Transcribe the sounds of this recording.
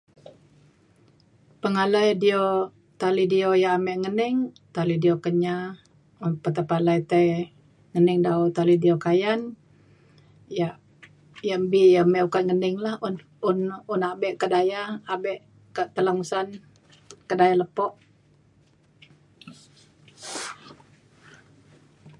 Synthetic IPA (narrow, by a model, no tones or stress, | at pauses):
pəŋaləjdio | t̪alidiojaːmɛʔŋənɪŋ | t̪alidiokəɲa | unpət̪apalajt̪əj | ŋənɪŋdaut̪alidiokajan | jaʔ | jaʔmbiʔjamɛukat̪̚ŋənɪŋlahun | ununabɛʔkədajaːbɛʔ | kaʔt̪əlaŋusan | kədajaləpɔʔ